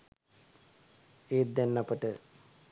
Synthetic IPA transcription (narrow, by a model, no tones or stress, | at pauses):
eːt̪̚d̪ænːapəʈə